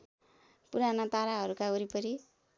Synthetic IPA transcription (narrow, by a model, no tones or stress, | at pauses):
puɾanʌt̪aɾaɦʌɾukaɡʌɾipʌɾi